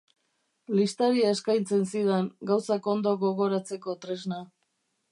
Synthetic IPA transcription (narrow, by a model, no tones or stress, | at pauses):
list̪aɾiaeskajnt͡se̞nsiðeŋɡawsako̞nd̪o̞ɣo̞ɣo̞ɾat͡se̞ko̞t̪ɾe̞zna